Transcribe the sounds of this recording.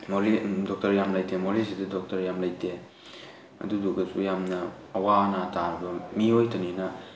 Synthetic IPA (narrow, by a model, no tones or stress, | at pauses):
molidɔk̚tɐɾjamlajdemolisidɐdɔk̚tɐɾjamlajde | ɐ̰duduɡɐsṵjamnɐː | wanatʰaɾɐbɐmiojtɐninɐ